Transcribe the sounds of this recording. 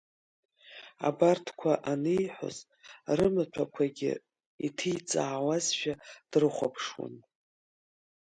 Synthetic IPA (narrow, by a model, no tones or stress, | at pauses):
a̰bartʰkʷʰaʔanɨjħʷo̰z | rɨmɨt͡ɕʷʰakʷʰaɡʲɪ̰ | itʰijt͡sʼaːwazʃᶣad̥rɨχʷa̰pʰʂwa̰n